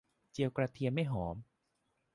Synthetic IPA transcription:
t͡ɕi˧əwkɾaː˧t̪ʰi˧ənma˥˩jɦɔː˩˦m

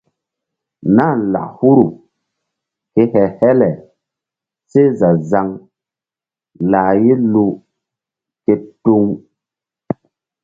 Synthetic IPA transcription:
na˦˨la̰˨ʔhu˦ɾu˨ | ke˨hɛ˨hɛ˦lɛ˨ | se˦za˨za˧ŋ | laː˨je˦lu˦ | ke˧tu˦ŋ

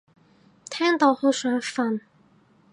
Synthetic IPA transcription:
t̪ʰɛː˥ŋt̪o˨˧whɵ˧sœː˨˥ŋfɐ˨˧n

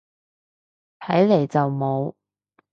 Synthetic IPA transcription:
t̪ʰɐ˨˥jle˨˩jt͡sɐ˨wmo˨˧w

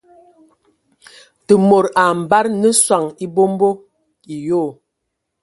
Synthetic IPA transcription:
tə˨mo˨ɾa˨m̩˨ba˦ɾnə˦swa˨ŋi˦bo˦m˦bo˦ | i˨jo˦˨

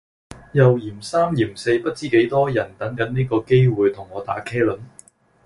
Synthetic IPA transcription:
jɐ˨wjiː˨˩msaː˥mjiː˨˩mse˧jpɐ˥t̚t͡siː˥ke˨˥jt̪ɔː˥jɐ˨˩nt̪ɐ˨˥ŋkɐ˨˥nniː˥kɔː˧ke˥jwuː˨˧jt̪ʰʊ˨˩ŋɔː˨˧t̪a̰ː˨˥kʰɛː˥lɵ˨˥n

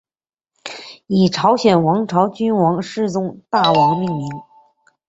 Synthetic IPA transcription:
i˨˩ʈ͡ʂʰɑ˧˥ʊɕjɛ˨˩nwɑ˧˥ŋʈ͡ʂʰɑ˧˥ʊt͡ɕy˥nwɑ˧˥ŋʂɻ̩˥˧t͡sʊ˥˧ŋt̪a˥˩wɑ˧˥ŋ˧mi˥˩ŋmi˧˥ŋ

